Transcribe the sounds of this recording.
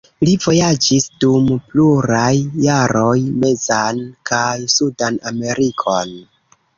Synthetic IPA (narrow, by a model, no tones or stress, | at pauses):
livo̞jad͡ʒisdumpluɾajːaɾo̞jme̞zankasudaname̞ɾʔikʰo̞n